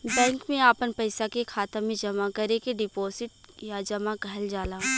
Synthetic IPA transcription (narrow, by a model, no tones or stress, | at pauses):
bɛ̃ːŋkmẽaːpənpɐɪsakekʰaːt̪amẽd͡ʒɐmakɐɾekeɖɪpoːsɪʈ̚jad͡ʒɐmaɡʱɐld͡ʒaːlaː